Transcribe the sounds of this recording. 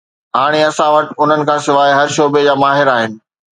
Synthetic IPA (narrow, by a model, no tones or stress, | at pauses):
ɦaːɽ̃eɐsãʋɐʈ̆ʊn̤ənɪ̆kʰãːsɪʋaːiɦɐɾʃoːbed͡ʑaːmaːɦɪɾaːɦɪnɪ̆